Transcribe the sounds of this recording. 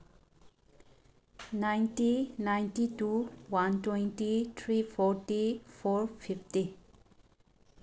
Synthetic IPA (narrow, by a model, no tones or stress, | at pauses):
nãjntinãjntituwãntwɛ̃ntit̪ʰɹiːfɔɾtifɔːɹfifti